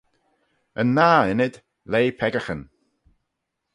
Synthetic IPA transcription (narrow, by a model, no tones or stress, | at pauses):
ənːaːɪnɪd̪̥ | leːpʰɛɡəxən